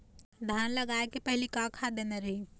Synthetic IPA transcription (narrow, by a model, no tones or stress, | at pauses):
d̪ʱanləɡaekepəɦilikakʰad̪eneɾəɦi